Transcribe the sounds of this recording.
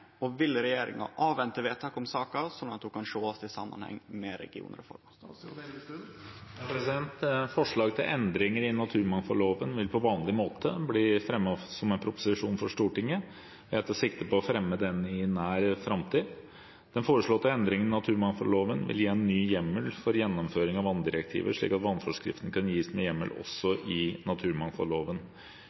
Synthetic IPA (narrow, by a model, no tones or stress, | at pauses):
ɔʋɪlɾɛjeːɾɪ̰ŋɑ̰ʔɑːʋʋɛnt̪əʋeːt̪ʰɑkɔmsɑːkɑsɔnɑt̪̚hʊkɑnʂoːɔst̪ɪsɑ̰mːɑ̰nhɛ̰ŋːmɛɾɛ̰ɡɪṵːnəɾəfɔ̰ɾm | pʰɾɛsɪɛnt̪fɔʂɭɑːɡt̪ʰɪlʔɛnd̪ɾɪŋəɾɪnɑt̪ʰʉːɾmɑŋfɔloːʋənʋɪlpʰɔʋɑːnlɪmoːt̪ʰəbliːfɾɛmːɑsɔmɛnpʰɾʊpʊ̥sɪʂuːnfɔʂt̪uːʈɪŋːə | ʋɛt̪ːsɪk̚t̪əpɔːfɾɛmːəd̪ɛnɪnæːɾfɾɑmt̪ʰiː | d̪̥ɛnfoːɾəʂɭɔːt̪ːəɛnd̪ɾɪŋənɪnɑt̪ʰʉːɾmɑŋfɔlloːʋənʋɪ̰ljiːɛnːyːjɛmːəlfɔɾjɛnːɔmføːɾɪŋɑʋɑnd̪ɪɾək̚t̪ʰḭːʋə̰ʂɭḭːkɑt̪ʋɑnːfɔʂkɾɪ̰ft̪n̩kɑnjiːsmɛjɛmːə̰lɔ̰sɔʔɪnɑt̪ʰʉːɾmɑŋfɔ̰loːʋən